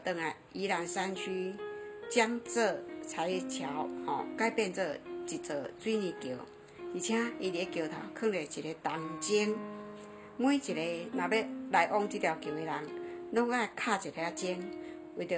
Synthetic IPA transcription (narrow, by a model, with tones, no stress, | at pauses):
t̪ə˧˩ŋa˨˩ | i˧˦ɾa˧nsa˧nɕʰy˦t͡ɕja˦ŋt͡sə˥˧˨t͡sʰa˨˧˦jt͡ɕʰja˨˦whɔ̰˨ka˧jpɛ˥˧nt͡sə˥˧t͡ɕi˨˩t͡sə˨˩t͡swi˦nĩ˧kjo˨˩ | t̪i˨˩t͡ɕʰjã˦i˧t̪i˨˧e˧˦kjo˨˩t̪ʰa̰˨˩wkʰə˥˩˨ŋle˨˩t͡ɕi˨ɾe˨˧t̪a˨˩ŋt͡ɕi˦˥ŋ | mwĩ˦t͡ɕi˨˩ɾe˧nã˨be˦la˨˧jʔɔ˦˧ŋt̪i˦˥t̪ja˧˩kjo˨˩we˨˧la˨˦ŋlɔ˦ŋɡa˦˨kʰa˥˧˨t͡ɕi˨˩ɾe˨˧˦a˦˧t͡ɕi˧˦ŋ | wi˧˩t̪